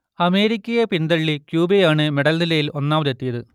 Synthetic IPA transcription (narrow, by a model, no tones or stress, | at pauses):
ɐme̞ːɾikʲːɐjepind̪ɐɭːikjuːbejaːɳɨmeɽɐlnilɐjilʔo̞nːaːʋɐðet̪ːijɐðɨ